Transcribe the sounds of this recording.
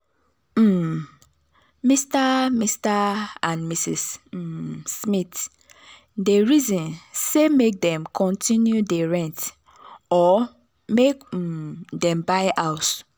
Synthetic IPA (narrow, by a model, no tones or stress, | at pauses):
m̩ | mistamistaãnmisḭs | smit | deɹizɔ̃nsemek̚dɛ̃mkʰɔ̃ntĩnjudeɹɛ̃nt | ɔ | mek̩ | dɛ̃mbaɪʔaʊt